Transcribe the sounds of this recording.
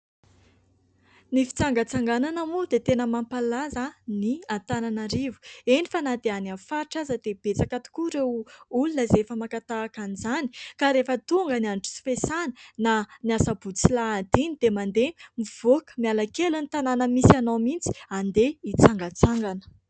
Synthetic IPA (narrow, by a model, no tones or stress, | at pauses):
nifi̥t͡saŋɡət͡saŋɡananamud̪et̪enəmampalazəniant̪ananaɾivu̥enifanad̪eananfaɾiʈ͡ʂazəd̪eb̥et͡sakat̪u̥kuɾewulunəzefəmakat̪aːkanizanikaɾefət̪uŋɡənianʈ͡ʂu̥si̥fesanə̥naniasəbut͡silaːd̪inid̪̥emand̪emiv̥okə̥mialakelunit̪ananəmisanowmint͡si̥and̪eit͡saŋɡat͡saŋɡanə̥